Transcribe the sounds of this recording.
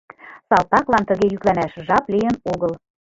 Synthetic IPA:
sɑlt̪ɑklɑnt̪ə̆ɣejyklænæʃʒɑplijə̆noɣɤl

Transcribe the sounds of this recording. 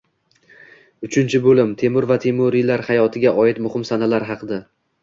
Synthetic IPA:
ʊt͡ʃʰɪnt͡ʃʰɪbolɪmt̪ʰe̞mʊɾvat̪ʰemoɾɪlaɾhajɒt̪ʰɪɡʲaʔɒɪt̪mʊhɪmsanalaɾɦɑqʰɨd̪a

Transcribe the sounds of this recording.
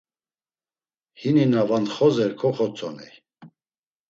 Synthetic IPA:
hininavant̪χɔzɛɾkʰɔχɔt͡sʰʼɔnḭ

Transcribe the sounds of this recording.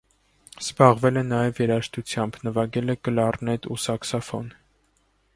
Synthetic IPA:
z̥bɑʁvɛlɛnɑjɛvjɛɾɑʃt̪ut͡sʰjɑmbnəvɑɡɛlɛɡəlɑrnɛt̪usɑksɔfɔn

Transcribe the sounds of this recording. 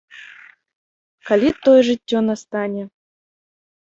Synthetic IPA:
kalʲit̪ːojɛʐɨtʲːonast̪ɑnʲɛ

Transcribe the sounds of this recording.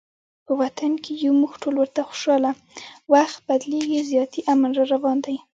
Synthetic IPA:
pəwat̪ankejumuxʈʰolwəɾt̪axʊ̥ʃɑla | waxt̪̚bad̪leɡizjɑt̪iʔamanɾɑɾawɑnd̪aj

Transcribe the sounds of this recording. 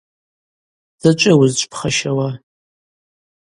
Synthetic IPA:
z̥ɨt͡ʃʷʼɪwʊzt͡ʃʷʼpʰχɐʃɐwa

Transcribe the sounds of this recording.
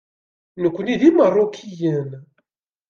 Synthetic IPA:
nəkʷːniðimərˤːokʰijən

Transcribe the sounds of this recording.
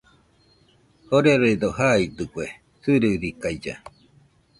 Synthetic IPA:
hoɾeɾoid̪oɦaid̪ɯkʷe | sɨɾɨɾikajd͡ʒa̰

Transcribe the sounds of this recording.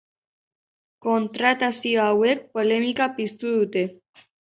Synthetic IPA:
kont̪ɾat̪asiawek̚polemikapist̪uðut̪e

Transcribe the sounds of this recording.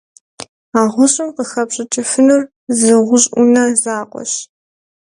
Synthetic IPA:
aːʁʷʊɕʼɪmqəxɐpɕʼɪt͡ʃʼɪfɨnur | zɨʁʷʊɕʼunɐzaːqʷʼɔ̰ɕ

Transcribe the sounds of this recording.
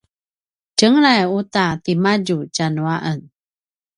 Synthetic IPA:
t͡ʃəŋɾajut̪at̪imaɟut͡ʃanuaʔən

